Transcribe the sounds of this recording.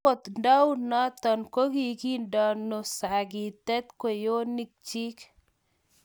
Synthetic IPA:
ɔ˨t̪nda˦wna˦t̪ɔ˨nko˦ɡi˨ki˦ndɔ˨no˨sa˨ɡi˨t̪ɛ˦t̪̚ko˨jo˦ni˨k̚t͡ʃi˦k

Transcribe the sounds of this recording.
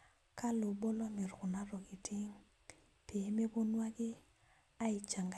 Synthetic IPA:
ka˦lo˨bɔ˦lɔ˦mɪ˨ɾkʊ˨na˦ɾɔ˨kɪ˨tʰɪ˦ŋ | pe˨˦me˦bo˦nwa˦kɪ˦ | a˦ɪ˨t͡ʃa˨ŋɡ

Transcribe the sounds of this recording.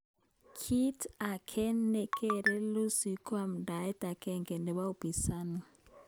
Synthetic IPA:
kʰi˦tʰa˨kʰɛ˦nːɛ˦kʼɛ˦ɾɛ˦lo˦si˨kʰwa˨m̩˨da˨ɛ˦ta˨kʼɛ˦ŋkʼɛ˨ndɛ˨βa˦u˨pi˨saː˦ni˨

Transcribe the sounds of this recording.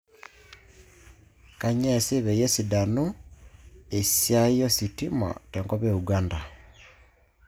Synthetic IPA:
ka˨ɲe˦si˦βe˨je˦si˨da˨nu | e˨sja˦ijo˦sitima̰˨tɛŋko˦βeuɡanda˨

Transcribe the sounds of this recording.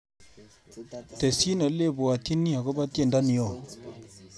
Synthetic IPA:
tɛ˨si˦nə˨˦le˦˨bu˨a˨t̪ʰi˦ni˦a˨kɔ˦ba˦te˦˨nda˦ni˨jɔ˦˨

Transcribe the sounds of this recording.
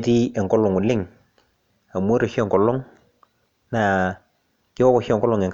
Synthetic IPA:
ti˦ɛ˨ŋkɔ˦lɔ˨ŋʊ˨lɪ˦˨ŋ | a˨m˦o˦ɾo˨ʃɛ˦˨ŋkɔ˨lɔ˦ŋ | na˨ | kɪ˦ɔ˦kɔ˨ʃɛ˨ŋkɔ˦lɔ˨ŋe˨ŋk

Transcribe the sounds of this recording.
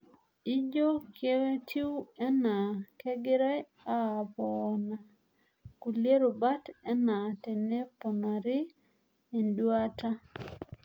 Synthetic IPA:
i˦d͡ʒo˦kʰje˦we˦tʰi˦wɛ˦na˨ke˦ɡɪ˦ɾa˦j | a˦˨pɔna˨ | ku˨lje˦ɾo˨ba˦tɛ˦na˨tɛ˨ne˦pɔ˨na˨ɾɪ˦ | e˨ndwa˦ta˦

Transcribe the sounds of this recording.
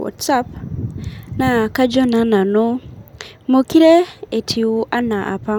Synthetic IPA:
ɔ̰˨tsa˦p | na˨ka˦d͡ʒɔ˦na˨˦na˨no˦ | mo˨ki˦ɾe˦e˨tʰi˨u˦ʔa˦na˨ʔa̰˨pa˦

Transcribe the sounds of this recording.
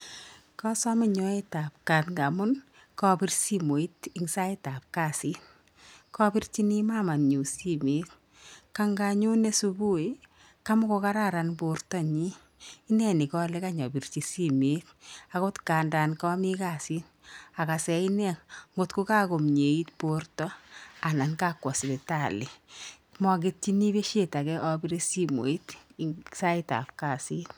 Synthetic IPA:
kɔ˦sɔ˦mɪ˦ɲɔ˦e˦ta˨p̚ka˨tŋɡa˨mʊ˦n | kɔ˦pi˦rsi˦mo˨i˦tɪ˦ŋsa˦e˦ta˨p̚ka˦˨si˦ | kɔ˦pi˦rt͡ʃi˦ni˦ma˦˨ma˨nɲu˨si˦me˨˦t | ka˦ŋɡa˧ɲu˦ne˦su˧bu˦i˦ | ka˦mʊ˦ko˨˧ka˦ɾa˦˨ɾa˨nbo˨rtɔ˦ɲiː˦ | nɛ˦ni˨kɔ˦le˦ka˦ɲɔ˨bi˨rt͡ʃi˨si˦me˨˦t̚a˨ko˦tkaː˨nda˨nkɔ˦mi˦ka˨si˦n | a˨ka˨sɛ˨i˦nɛ˦˨ŋo˨tko˦ka˦ko˨mɲe˨i˦tpo˦rtɔ˦a˨na˨nka˦kwɔ˨sde˨ta˨lɪ˨ | mɔ˨k̬e˦tt͡ʃi˦ni˦be˦ʃe˦ta˨kɛ˦ʔɔ˦bi˦ɾe˦si˦mo̰˨i˦tsa˦ɪ˦ta̰˨p̚ka˨si˦n

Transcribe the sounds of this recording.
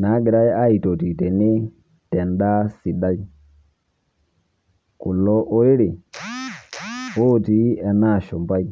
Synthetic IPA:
na˨˦ɡe˨ɾa˦ɛ˦a˦i˨to˨ti˨tɛ˨nɪ˦ | tɛ˨nda˦si˨ɗa˦i˦ | kʊ˨lɔ˦ʔo˦ɾɪ˦ɾɪ˨ | o˦˨ti˨˦ɛ˨na˦˨ʃɔ˨mba˦i˦

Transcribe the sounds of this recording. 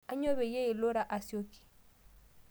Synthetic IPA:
a˦ɲo˦βɛ˨je˦i˨lo˦ɾa˨ʔa˨si˦o˦ki̥˨

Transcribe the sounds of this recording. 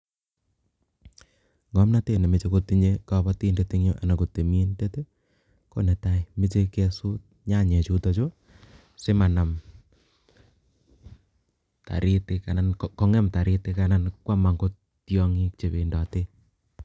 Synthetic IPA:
ŋɡɔ˨˦mna˦te˨ne˨me˨t͡ʃe˦ko˦ti˦ɲe˦ka˨bɔ˦ti˦nde˦ti˦ŋɲo˦ʔa̰˨na˨ko˨te˨mi˦nde˦te˦ | ko˦ne˨ta˦ime˦t͡ʃe˦kɛ˦su˦t̚ɲa˦˨ɲe˨t͡ʃu˦tɔ˨t͡ʃo˦ | se˦ma˨na˨m | ta̰˨ɾi˦te˦ka˨na˨nkkɔ˦ŋɛ˦mta˨ɾi˦te˦ka˦na˦nkwa˦ma˨ŋɡo˦ | tjɔ˦ŋi˦k̚t͡ʃe˨βe˨ndɔ˨te˦

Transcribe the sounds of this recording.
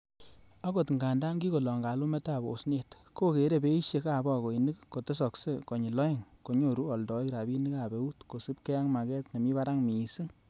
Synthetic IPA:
a˦ko˨tŋɡa˨nda˦nɡi˦ko˨lɔ˨ŋɡa˨lu˦mɛ˦ta˦˨bo̰˨sne˨tko˦ke˨˦ɾe˦˨be˦i˦ʃje˧ka˨bɔ˦˨ko˨i˨ni˦kːo˨te˦sɔ˨kse˦kɔ˨ɲi˨lɔ˦i˦ŋko˨ɲo˦˨ɾu˦ɔ˨ldɔ˨˦i˦kɾa˨bi˦ni˦ka˨be˨˦u˦tko˨si˦p̚ke˦ja˦ŋma˨kɛ˦tne˨mi˦βa˦ɾa˦ŋmi˨si˦

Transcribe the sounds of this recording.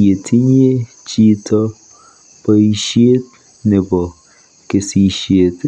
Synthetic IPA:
e˨tʰi˦ɲ˦e˦ | t͡ʃi˦tɔ˦˧ | pɔ˦i˦ʃe˦t̪̚ | ne˨bɔ˨ | ke˨si˦ʃe˦t̪

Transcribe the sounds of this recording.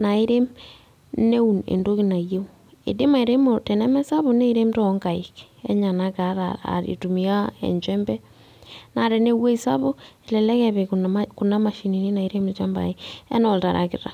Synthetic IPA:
na˨e˦ɾe˦m | ne˦u˨nḛ˨ndo˦ki˦na˨je˦u˦ | ḛ˨de˦ma˨e˨ɾe˦mo˨te˨nɛ˦mɛ˦sa˦βo˨ne˦i˦ɾe˦mto˦ŋɡa˨ḭ˨k | ḛ˦ɲa˨na˦ka˨˦ɾa̰a̰˨ɾḭ˨tu˨mi˨a˦ḛ˨ɲt͡ʃɛ˦mbɛ˦ | na˨ɾe˨ne˦we˦i˨sa̰˦βo˦e˨lɛ˨lɛ˦kɛ˨βe˨kku˨na˦ma˨ʃi˨ni˨ne˦na˨i˦ɾe˦me˨t͡ʃa˦mba̰˨e˦ḛ˦no˦˨lta˨ɾʔa̰˨kḭ˨ɾa̰˨

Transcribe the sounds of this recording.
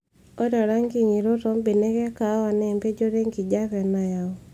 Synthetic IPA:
ɔ˦dɔ˨ɾa˦ŋɡi˨ɲi˨ɾo˦tɔ˦mbe˨ne˦kɛ˦ka˨˦wa˨nɛ˨mpe˦d͡ʒo˦ɾe˦ŋɡi˨d͡ʒa˦kɛ˨na˨ja˨

